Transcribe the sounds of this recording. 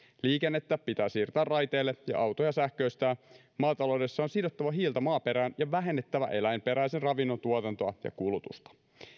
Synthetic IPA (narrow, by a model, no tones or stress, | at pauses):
liːkenːet̪ːæːppːit̪æːsiːrt̪æːrrɑjt̪eːlːejɑ̰ʔɑwt̪ojɑsæhkø̞ist̪æː | mɑːt̪ɑlo̞wde̞sːɑonsidot̪ːɑʋɑɦiːlt̪ɑmɑːpe̞ɾæːnjɑʋæɦe̞nːet̪ːæʋæ̰ʔe̞læjmpe̞ɾæjsenrɑʋinːo̞nt̪uot̪ɑnt̪oɑ̰jɑ̰kulut̪ṵst̪ɑ̥